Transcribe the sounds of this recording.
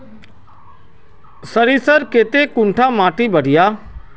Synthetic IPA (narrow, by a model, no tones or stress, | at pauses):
səɾisəɾkeːt̪ekʊ̃ɳʈʰamãːʈibəɽ̤ɪjaː